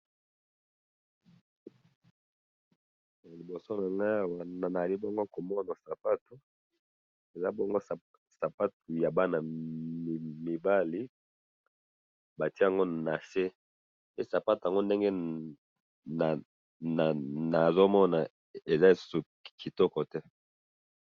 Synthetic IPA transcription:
a˨li˨bo˨so˦na˨ŋɡa˦˨wa˨a˨na˨a˨li˦bo˦ŋɡo˦ko˨mɔ˦na˨sa˨pa˦tu˨ | e˨za˦bo˦ŋɡo˦˨ | sa˨pa˦t̚u˨ja˨ba˦na˨m˨mi˨ba˦li˨ | ba˨ti˦˨a˨ŋɡo˦˨na˨se˦ | pe˦sa˨pa˦tu˨a˨ŋɡo˦nde˦ŋɡɛ˦ | na˨ | na˨na˨zo˦mɔ˦na˨ | e˨za˦e˨su̥˦su˨ | ki˨tɔ˦kɔ˨tɛ˦

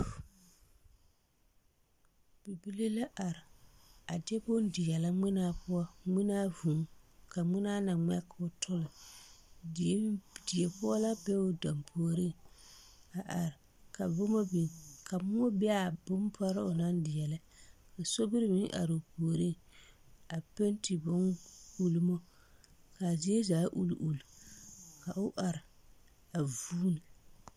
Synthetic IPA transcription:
b̥i˨bi˦le˦la˦ʔa˨ɾɪ˨a˨dɛ˦bʊ˦n˦dɪ˨jɛ˨la˦ŋ͡mɪ˦naː˦pʊ˦ɔ˦ŋi˦naː˦vu˨ŋ˦ka˨ŋ͡mɪ˦naː˦na˨ŋ͡mɛ˦ka˨ʊ˨tʰʊ˦lɪ˨˦ | dɪ˨e˨pʊ˦ɔ˦la˦bɛ˦ʊ˨da˨mpʰoː˨ɾi˦ | a˨ʔa˨ɾɪ˨ | ka˨bʊ˦mo˦bi˨kʰa˨mʊ˦o˦bɪ˦a˨bʊ˦mpʰɔ˦ɾɪ˦ʊ˨na˦ndɪ˨jɛ˨lɛ˦ | ka˨so˦bi˦ɾɪ˦mɪ˦ʔa̰˨ɾʊ˨poː˨ɾi˦ | a˨pe˦n˦ti˨bʊ˦nku˦lu˦mo˦ | ka˨zɪ˦e˦zaː˨˦ʔṵ˦l̰ʔu˨lka˨ʊ˦ʔa˨ɾɪ˨ | a˨vuː˦ni˨

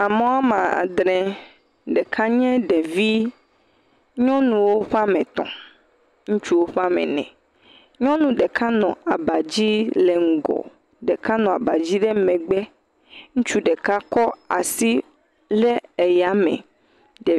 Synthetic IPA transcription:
a˨mɔ̃˦a˦mã˨a̰˨d̪ɾɛ̃˨ | ɖɛ˨kʰa˦ɲɛ̃˦ɖɛ˨vi˦ | ɲɔ̃˦nũ˨wo˦ɸa˦mɛ̃˨t̪ɔ̰̃˨ | ŋũ˦t͡ʃu˦wo˦ɸa˦mɛ̰˨nɛ̰̃˨ | ɲɔ̃˦nũ˨ɖɛ˨kʰa˦nɔ̃˨a˨ba˨d͡ʑi˦le˨ŋ̩˨ɡɔ̰˨ | ɖɛ˨ka˦nɔ̃˨a˨ba˨d͡ʑi˦ɖɛ˦mɛ̃˨ɡ͡bɛ˦ | ŋũ˦t͡ʃu˦ɖɛ˨ka˦kɔ˦a̰˨si˦ | le˦e˨ja˨mɛ̰̃˨ | ɖɛ˨

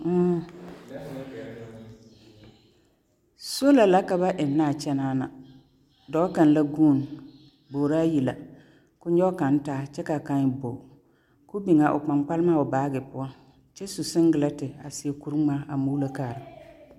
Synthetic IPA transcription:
m̩˦˨ | so˦la˨la˦ka˨ba˦ʔɪ˨nː˦aː˦˨t͡ʃɛ˦naː˦na̰˨ | dɔ˨˦ka˨n˦la˦ɡuː˦˨n | boː˨ɾaː˦ji˨la˨ | kʊ˦ɲɔ˦ka˨n˦taː˦t͡ʃɛ˦ka˨ka˦ɲɪ˨bo˨ | kʊ˦bi˨ŋa˨ʔʊ̰˨k͡pa˨ŋ͡mk͡pa˦lma˦ʊ˨baː˨˦ɡɪ˨pʊ˦ɔ˦ | t͡ʃɛ˦su˨sɪ˦ŋ˦ɡɪ˨la˦tɪ˨a˨sɪ˨ɛ˨ku˦ɾŋ͡maː˦a˨mu˦la˦kaː˨ɾɪ˨

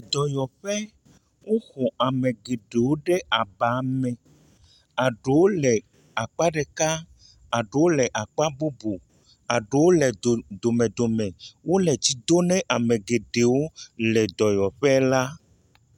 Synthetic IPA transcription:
d̪ɔ˨jɔ˨ɸɛ˦ | wo˦xɔ˨a˨mẽ˨ɡe˨ɖe˨wo˦ɖe˦a˨ba˨˦mɛ̃˨ | a˨ɖe˨wo˦lɛ˨ | a˨k͡pa˦ɖe˨ka˦ | a˨ɖe˨˦wo˦lɛ˨ʔa˨k͡pa˦bu˦bu˨ | a˨ɖe˨wo˦lɛ˨d̪o˨mɛ̃˨d̪o˨mɛ̃˨wo˦lɛ˨t͡ɕi˦d̪o˦nɛ̃˦ʔa˨mẽ˨ɡe˨ɖe˨wo˦lɛ˨d̪ɔ˨jɔ˨ɸɛ˦la˦

